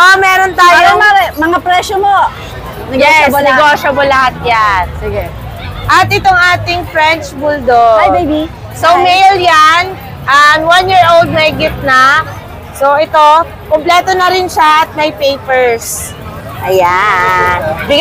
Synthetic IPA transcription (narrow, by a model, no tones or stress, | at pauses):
ʔmɛːɾont̪aːjomɛmɐŋapɾɛʃomo | nɛjɛsɛɡoːʃomolɐhat̪̚jansɪɡɛ | ʔɐt̪ʔɪt̪o̞ŋʔaːt̪ɪŋfɾɛnt͡ʃbuld̪ojdejbi | sowmejljan | ʔɐmwanjiːɹʔold̪̚mɐjɡɪt̪̚nɐ | soʔɛt̪o̞ | komplɛːt̪onɐɾɪnʃaʔɐt̪̚mɐjpejpɛɹs | ʔɐjanbɪɡ